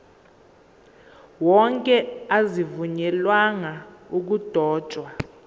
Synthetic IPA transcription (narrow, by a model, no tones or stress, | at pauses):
wɔŋkʼɛazivuɲɛlwaŋauk̬ud̥ʱɔ̥ːt͡ʃʼwa